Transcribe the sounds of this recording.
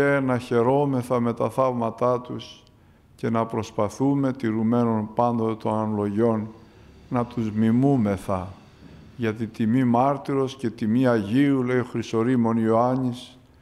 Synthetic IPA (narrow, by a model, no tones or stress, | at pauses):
enɐçe̞ɾo̞me̞θɐme̞t̪ɐθɐvmɐt̪ɐt̪us | ce̞nɐpɾo̞spɐθume̞t̪iɾume̞no̞npɐnd̪ot̪et̪o̞nɐnolo̞ʝo̞n | nɐt̪uzmimume̞θɐ | ʝɐt̪it̪imimɐɾt̪iɾo̞sce̞t̪imiɐʝiule̞ioxɾiso̞ɾimo̞nioɐɲis